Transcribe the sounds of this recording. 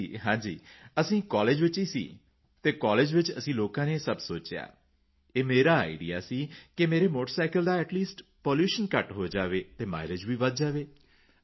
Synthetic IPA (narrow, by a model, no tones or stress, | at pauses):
ɦãːd͡ʒiːəsĩːkɔːleːd͡ʒʋɪt͡ʃiːsḭː | t̪eːkɔːleːd͡ʒʋɪt͡ʃəsĩːloːkãːneːsəbsoːt͡ʃeja̰ː | eːmeːɾaːa̰ːɪɖḭja̰ːsiːkɪmeːɾeːmoːʈəɾsaːɪkəld̪aːɛːʈliːsʈpoːljuːʃənkəʈɦoːd͡ʒaːʋeːt̪eːma̰ːɪɾɪd͡ʒʋiːʋəd̪̚d͡ʒaːʋeː